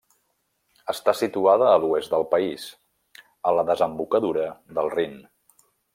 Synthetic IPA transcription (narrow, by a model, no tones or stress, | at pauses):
əst̪asit̪uaðəːluɛzt̪d̪əlˠpəiz | ələðəzəmbukəðuɾəðəlˠrin